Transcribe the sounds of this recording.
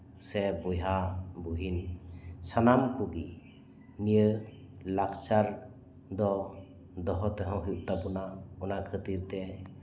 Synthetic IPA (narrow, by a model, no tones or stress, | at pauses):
sɛbɔjɦabuɦinsanamkuɡi | nijə | lakt͡ʃaɾ | d̪ɔ | d̪ɔɦɔt̪ɛɦɔ̃ɦuʔ̚t̪abunaɔnakʰət̪iɾt̪ɛ